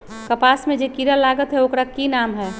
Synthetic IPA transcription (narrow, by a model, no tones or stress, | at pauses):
kɐpaːsmẽd͡ʒekiɾalaːɡət̪ɦɛokɾakinaːmɦɛː